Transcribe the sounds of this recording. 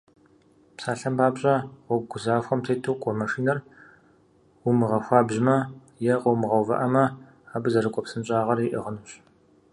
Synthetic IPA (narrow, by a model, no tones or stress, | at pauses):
psaːɬɐmbaːbɕʼɐqʷɔb̚ɡʷʊzaːxʷɔmtʰejtʰuːqʷʼɔmɐʂiːnɐr | wʊmɨʁɐxʷɑːbʑɪmɐ | jɛqʼɔwmɨʁɐwvɐ̰ʔɐmɐ | aːbɨzɐrɨkʷʼɔpsɨnɕʼaːʁɐriʔɐ̰ʁənuːɕ